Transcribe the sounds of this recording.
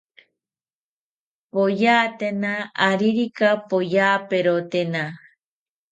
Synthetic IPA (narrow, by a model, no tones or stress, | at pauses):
pojaːt̪enaaɾiɾikapojaːpeɾot̪ena